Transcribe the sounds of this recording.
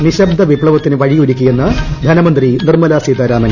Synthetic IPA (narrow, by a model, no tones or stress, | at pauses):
niɕɐb̚d̪ʱɐʋibɭɐʋɐt̪ːinɨʋɐɻijoɾukʲːujenːɐd̪ʱɐnɐmɐnd̪rinirmɐlaːsid̪ɐɾaːmɐn